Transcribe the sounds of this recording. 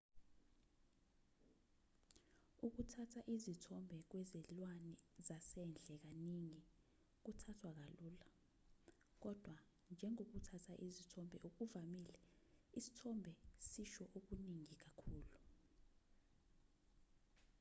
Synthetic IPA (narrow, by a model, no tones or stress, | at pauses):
uk̬utʰatʰaʔizitʰɔmbʱɛk̬wɛzɛlwanɛzasɛnd͡ɮʱɛk̬aniŋi | k̬utʰatʰwak̬aluːla | k̬ɔd̥ʱwa | nd͡ʒʱɛŋok̬utʰatʰaʔizitʰɔmbʱɛʔuk̬uvamilɛisi̥tʰɔmbʱɛsiʃɔʔok̬uniŋik̬akʰuːlu